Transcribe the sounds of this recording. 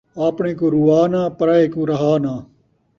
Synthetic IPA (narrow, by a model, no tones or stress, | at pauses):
aːpɳẽːkoːɾuaːnãːpɐɾaːeːkuːɾɐɦaːnãː